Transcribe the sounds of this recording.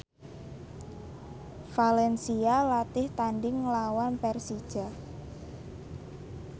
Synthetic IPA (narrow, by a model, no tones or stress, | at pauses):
falɛnsialat̪ɪht̪aɳɖɪŋlawanpɛrsid̥ʒ̥a̤